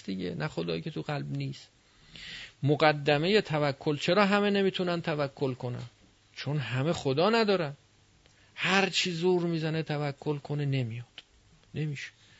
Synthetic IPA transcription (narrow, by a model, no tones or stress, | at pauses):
d̪iɟḛnʔæχo̞d̪ɒːjikʲʰe̞t̪ʰuɣælbniːs | moɢæd̪ːæme̞je̞t̪ʰævækʰːo̞lt͡ʃʰe̞ɾɒːɦæme̞ne̞miːt̪ʰunænt̪ʰævækʰːo̞lkʰo̞næ̰n | t͡ʃʰo̞nɦæme̞χod̪ɒːnæd̪ɒːɾæn | hæɾt͡ʃʰiːzuːɾmiːzæne̞t̪ʰævækʰːo̞lkʰo̞nene̞mijɒd̪̥ | ne̞miːʃe̥